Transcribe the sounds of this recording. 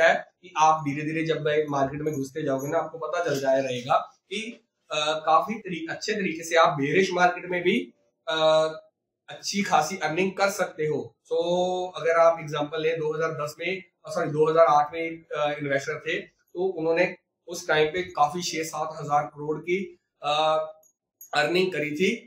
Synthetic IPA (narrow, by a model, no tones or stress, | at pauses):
aɦɛkiʔaːp̚d̪ʱiːɾed̪ʱiːɾed͡ʒɐbmɛ̃ːmaːɾkeːʈmẽɡʱʊst̪ed͡ʒaːoːɡenaaːp̚kopɐt̪at͡ʃɐld͡ʒaːeɾɐɦeːɡaːki | kaːfiɾiːɐtːʃʰet̪̬ɐɾiːkeseaːp̚bʱeːɾeːʃmaːɾkeːʈmẽbʱi | ɐtːʃʰikʰaːsiʔɐɾnɪ̃ŋɡkɐɾsɐk̚t̪eɦoːsoːɐɡəɾaːpɪɡzãːmpəlɦɛ̃d̪oːɦɐzaːɾd̪ɐsmẽ | sɔːɾid̪oːɦɐzaːɾaːʈʰmẽɪ̃nʋɛːsʈəɾt̪ʰe | t̪oːʊnɦõːne | ʊskɾaːɪmpekaːfit͡ʃʰeːsaːt̪ɦɐzaːɾkɐɾoːɽki | ə | ɐɾnɪ̃ŋɡ̚kɐɾit̪ʰiː